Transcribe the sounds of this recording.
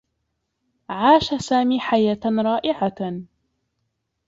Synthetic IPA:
ʕaːʃasaːmiːħajaːt̪ɾˤɑːʔɪʕa

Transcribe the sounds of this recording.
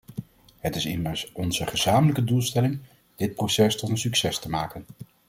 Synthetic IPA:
ɦətɪsɪ̰məɹsɔnzəχəzaːmələkədulˠstɛlɪŋ | d̥ɪt̚prosɛstɔtənsyksɛstəmaːkən

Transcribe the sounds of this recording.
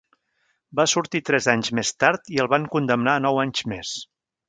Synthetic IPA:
basuɾt̪it̪ɾɛzaɲzmest̪aɾt̪iəlˠβaŋkund̪əmnaənɔwaɲzmes

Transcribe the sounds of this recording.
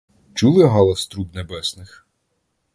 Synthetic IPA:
t͡ʃulˠɪɦɑlˠɐst̪ɾubnebɛsnɪx

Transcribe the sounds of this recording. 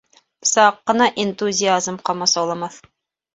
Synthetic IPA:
psɑqːɤ̆nɑʔent̪uzʲɪazmqɒmɑsɑlˠɤ̆mɑθ

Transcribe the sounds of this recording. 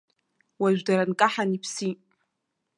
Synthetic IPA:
waʒᶣʷdaɾankʼaħanipʰsi

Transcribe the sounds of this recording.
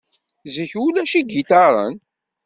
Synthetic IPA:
zəçulæʃiɡit̪ɑɾˤə̰n

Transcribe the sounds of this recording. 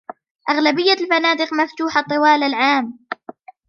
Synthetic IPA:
ʔaɣlabɪjːalfanaːd̪ɪqmaft̪uːħat̪ˤːɨwaːlalʕaːm

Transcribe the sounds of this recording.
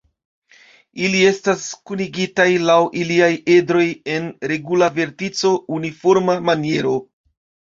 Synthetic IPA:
ilie̞staskuniɡitajlawʔiliajedɾo̞je̞nɾe̞ɡulave̞ɾtit͡so̞unifo̞ɾmamanie̞ɾo̞

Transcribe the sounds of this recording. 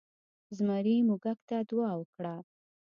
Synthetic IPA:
zmaɾimuɡak̚t̪ad̪wɑwəkɽa

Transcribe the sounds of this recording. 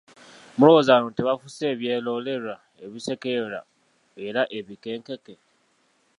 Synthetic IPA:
mʊɾozaɾũntiβafuseβjelɔleɾɾa | eβisekeɾa̰ | eɾaʔeβikeŋkeke

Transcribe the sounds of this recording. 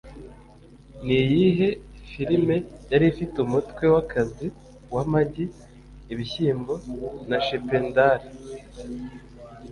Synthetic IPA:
nijiɦe̞fiɾime̞jaɾifitumutkwe̞wakʰazi | wamaɟiː | βiçiːmbo̞naʃependaɾi

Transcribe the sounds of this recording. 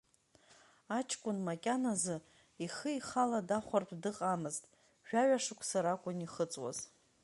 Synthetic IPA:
at͡ʃʰkʷʼʊnmakʲʼanazɨ | iχəiχaladaχʷarpʰdɨqʼamɨztʼ | ʒᶣaɥaʂɨkʷʰsaɾakʷʼʊniχət͡sʼwa̰z

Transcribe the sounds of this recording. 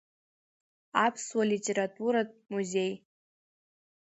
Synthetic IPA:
apʰswalitʼeɾatʼuɾatʼmuze̞j

